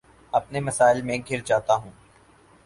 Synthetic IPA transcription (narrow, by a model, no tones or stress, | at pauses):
ɐpnemɐsaːɪlmẽɡʱɪɾd͡ʒaːt̪aɦũː